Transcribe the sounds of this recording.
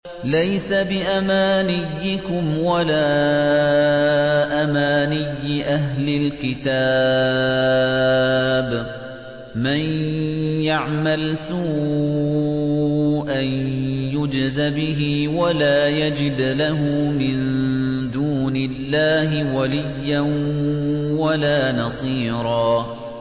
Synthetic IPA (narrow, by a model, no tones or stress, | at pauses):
lajsabɪʔamaːnɪjːɪkʊmwalaː | ʔamaːnɪjːɪʔaɦlɪlkɪt̪aː | b | manjaʕmalsuː | ʔanjʊd͡ʒzabɪɦɪwalaːjad͡ʒɪd̪laɦʊmɪnd̪uːnɪlːaːhɪwalɪjːan | walaːnɑsˤiːɾɑː